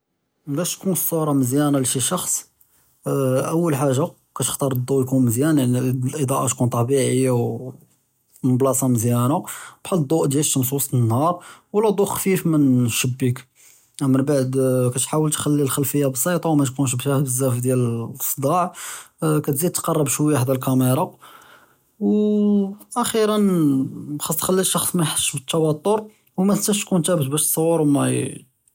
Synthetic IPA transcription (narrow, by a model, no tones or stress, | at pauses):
bæʃt̪kunəsːuɾˤɑməzjænaliʃiʃɑxsˤ | ʔəwːəlħaʒːa | kæt̪ə̥xt̪ˤɑɾˤd̪ˤːuʔjkunməzjænnlʔəd̪ˤɑʔat̪kunt̪ˤɑbiʕəjːaw | mʊblɑsˤɑməzjænab̥ħəld̪ˤːuʔd̪jælʃəns̬usˤənːhɑɾˤwəlːæd̪ˤuʔxfifmənʃəbːik | ʔæmːənbaʕd̪kæt̪ħawəlt̪xælːilxælfəjːabəsˤːɑt̪ˤɑwmæt̪kunʃ̬bt̪æhbəzːæfd̪jæləsˤd̪ˤɑʕ | kæt̪zid̪̚t̪qɑrˤːəbʃwjħd̪ælkæmiɾˤɑ | w | ʔæxiɾən | xɑsˤːxælːiʃːɑxsˤmæjħə̥sʃbət̪ːɑwɑt̪ˤːoɾˤ | wmæst̪æʃt̪kunt̪æbət̪̚bæʃt̪sˤɑwːəɾwmæ